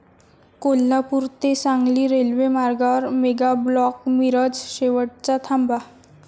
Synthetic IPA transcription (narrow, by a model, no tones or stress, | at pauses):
kolːapuɾt̪esãŋɡliːɾelʋemaɾɡaɾmeɡablɔkmiɾəd͡zɕeʋəʈ̚t͡sat̪ʰamba